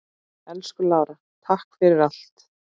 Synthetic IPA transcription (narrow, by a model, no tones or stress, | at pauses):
ɛlskʏlaːwɾa | t̪ʰahkfɪɾɪɾal̥t̪